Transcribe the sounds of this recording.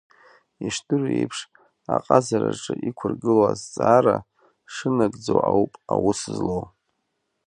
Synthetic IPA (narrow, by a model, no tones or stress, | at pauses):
iʂtʰʼɨrejpʰʂ | aqʼazaɾaʈ͡ʂʼɨʔikʷʰʊrɡɨlazt͡sʼaːɾa | ʂɨnaɡʼd͡zowʕawpʼawusɨzlow